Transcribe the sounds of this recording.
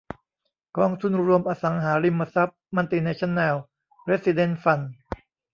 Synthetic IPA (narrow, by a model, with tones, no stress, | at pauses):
kɔː˧˩ŋt̪ʰu˧˨nɾu˧əmʔaː˧sa˩˦ŋɦaː˩˦ɾi˧mːa˧sa˦˥p̚ma˧nt̪iː˧na˧t͡ɕʰa˦˥nːɛː˧w | pɾeː˦˥t̚si˧de˧˥˨nfa˧n